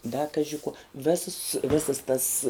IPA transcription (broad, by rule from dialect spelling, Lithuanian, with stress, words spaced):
dɐ ˈkɑːʒʲɪ kuɔ ˈʋʲæːsɐs ˈʋʲæːsɐs tɐs